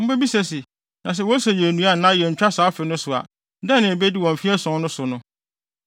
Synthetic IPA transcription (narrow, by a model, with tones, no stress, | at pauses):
m̩˦bɛ˦bi˦sɛ˨sɪ˨ | nã˨s̬ɛ˦wɔ˦sɛ˨jɛ˨nũ˦a˦˨nã˦jɛ˨ɲ̩˨t͡ɕᶣa˦saː˨˦fɪ˨nʊ̃˦sʊ˨a̰˨˦ | dɛ̃˦nɪ̃˨e˨be˦dɪ˦wɔ̃˨m̩˨fi˦ɛ˦sɔ̃˨˦nʊ̃˦sʊ˨nʊ̃˦